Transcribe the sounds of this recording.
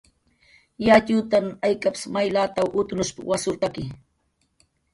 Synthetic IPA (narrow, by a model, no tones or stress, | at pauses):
jat͡ʃʊt̪amajkapɪ̥smajlat̪awʔʊt̪nʊʃpa̰wasʊɾt̪akɪ